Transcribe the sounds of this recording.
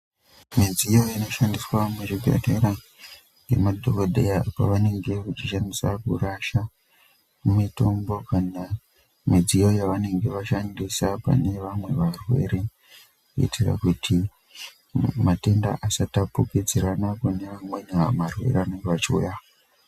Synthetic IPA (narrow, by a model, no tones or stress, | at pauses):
mid͡zijo̞ino̞ʃandiswameʐiɡʱḛreɾa | ɡḛmadʱokodʱejapa̰ʋane̞ŋɡe̞kut͡ʃiʃandisakuraʃa | mumito̞mbo̞kana | mid͡zijo̞jaʋane̞ŋɡe̞ʋaʃandisapa̰ne̞ʋamwe̞ʋarwe̞̰ɾe̞ | kuḭtira̰kutʰi | mate̞nda̰ʔasatapukid͡ziɾanakune̞ʋamwe̞namarwe̞̰reʋane̞ŋɡeʋat͡ʃiṵja